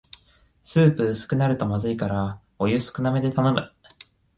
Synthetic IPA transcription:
sɨːpɯ̟ːsɨ̥kɯ̟naɾɯ̟t̪o̞mazɨikaɾa | ojɯsɨ̥kɯ̟name̞d̪e̞t̪ano̞mɯ̟

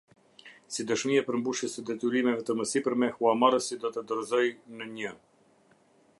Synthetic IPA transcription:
sid̪əʃmiapəɾmbuʃjɛsəd̪ɛt̪yɾimɛvɛt̪əməsipəɾmɛhuamaɾəsid̪ɔt̪əd̪ɔɾzɔjnəɲə

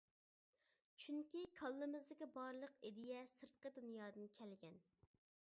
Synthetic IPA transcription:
t͡ʃʰyŋkʲikʰɑlˠːɨmɨzd̪ɪkʲibɑɾlˠəqed̪ɪjɛsɨɾt̪̚qəd̪unjɑːd̪ɨnkʲʰɛlɡʲɛn

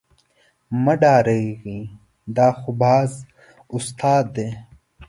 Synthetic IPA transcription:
mɐɖaːɾeɡiː | d̪aːxubaːz | ust̪ʰaːd̪ːeː

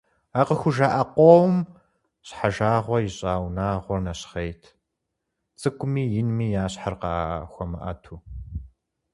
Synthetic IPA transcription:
aqəxʷʊʒaːʔɐqʷowm | ɕħaʒaːʁʷɔjɪɕʼaːwnaːʁʷɔrnɐɕχejtʰ | t͡sʼɨkʷʰʼʊmiːjɪnmiːjaːɕħarqɑːxʷɔmɐ̰ʔɐ̰tʰuː

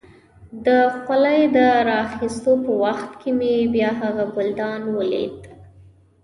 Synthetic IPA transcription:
d̪əxalajd̪əɾɑːxist̪opəwaxt̪kʰemebjɑɦaɣabʊld̪ɑnwəlḛd̪

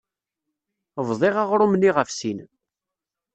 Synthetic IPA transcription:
vðˤɪʁaʁɾʊmniʁəfsin

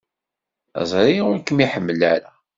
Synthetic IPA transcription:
æ̰zˤɾiʊɾkəmiħəmːəlʕaɾa

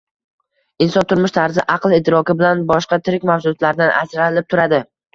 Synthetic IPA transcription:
ɪnsɒnt̪ʰʊɾmʊʃt̪ʰaɾzɪʔɑqlˠɪt̪ʰːɪɾɒkʲɪbɪlanbɒʃqɑt̪ʰɪɾɪkʲmawsʊt̪laɾd̪anʔa̰d͡ʒɾanɪlɪp̚t̪ʰʊɾad̪ɪ

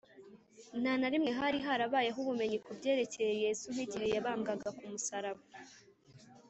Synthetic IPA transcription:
n̥anaɾimŋe̞ɦaɾiɦaɾaβaːjaɦuβume̞ɲikubɟe̞ːɾe̞ce̞jeje̞zun̥hiɟihe̞jaβaːŋɡaɡakumusaɾaβa

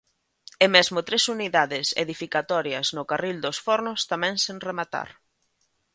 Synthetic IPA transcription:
ɛmɛzmʊt̪ɾesuniðaðɪsḛðifikat̪ɔɾjɐznʊkarild̪osfɔɾnʊst̪amɛ̃ŋseŋremat̪a̰ɾ

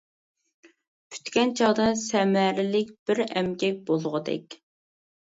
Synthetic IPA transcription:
pʰy̥t̪kʲɛnt͡ʃʰɑʁd̪ɑsɛmæɾɪlɪk̚ʲb̥ɪɾɛmkʲɛk̚ʲbolˠʊʁəd̪ɛ̰kʲ

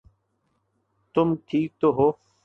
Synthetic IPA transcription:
t̪ʊmʈʰiːk̚t̪oɦoː

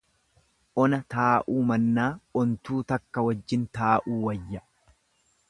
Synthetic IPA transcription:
ʔɔnɐt̪aːʔuːmɐnːaːɔnt̪uːt̪ɐkːɐwɐd͡ʒːɪnt̪aːʔuːwɐjːɐ

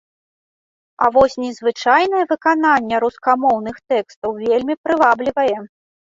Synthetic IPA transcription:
a̰vɔsʲnʲɛzvɨt͡ʂajnɐjɐvɨkananʲːɛɾuskamɔwn̪ɨxt̪ɛkst̪ɐwvʲelʲmʲipɾɨvablʲivɐjɛ

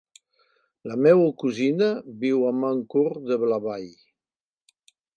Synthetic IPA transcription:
lamɛwəkuzinəbiwamaŋkuɾd̪əβlaβaj

